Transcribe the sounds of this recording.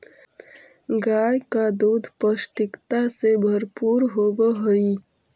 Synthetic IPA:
ɡaːjkad̪uːd̪ʱpəʃʈɪkt̪asebʱəɾpuːɾɦoːbəɦoi

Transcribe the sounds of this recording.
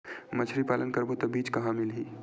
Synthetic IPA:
mət͡ʃʰɾipaːlənkəɾbot̪obiːt͡ʃkɐɦãmɪlɦiː

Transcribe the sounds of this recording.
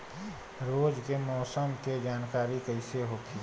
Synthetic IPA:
ɾoːd͡ʒkemɔːsəmked͡ʒaːnkaːɾikəɪseɦoki

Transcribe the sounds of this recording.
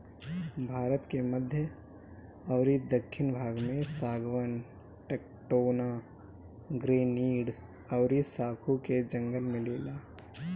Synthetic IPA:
bʱaːɾət̪keməd̪ʱjə | ɔʊɾid̪əkʰːɪnbʱaːɡmẽsaːɡwən | ʈeːk̚ʈoːna | ɡɾeːniːɽ | ɐːɾisaːkʰuked͡ʒə̃ŋɡəlmẽleːlaː

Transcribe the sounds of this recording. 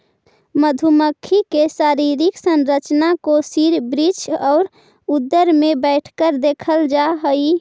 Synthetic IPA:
məd̪ʱuməkʰːikesaɾiɾiksənɾət͡ʃnakosiɾbɾit͡ʃɔːɾ | ud̪ːəɾmebɛɪʈʰkəɾd̪ekʰəld͡ʒaɦəi

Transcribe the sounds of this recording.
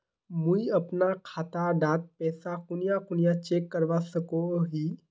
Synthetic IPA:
muiɐpnakʰaːt̪aɖaːt̪̚pɛːsakʊnɪjakʊnɪjat͡ʃeːkːəɾʋasəkoɦiː

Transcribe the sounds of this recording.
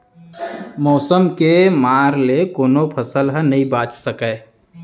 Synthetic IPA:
mɔːsəmkemaːɾlekoːnopʰəsəlɦə̃nɐɦĩbaːt͡ʃsəkɛː

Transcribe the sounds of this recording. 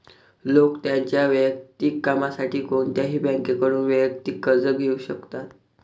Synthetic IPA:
lokt̪jaɲt͡ɕjaʋjək̚t̪ikːamasaʈiːkoɳt̪jaɦiːbɛ̃ŋkekəɽuːnʋəjəkt̪iːkːəd͡zəɡʱeuɕəkt̪at̪

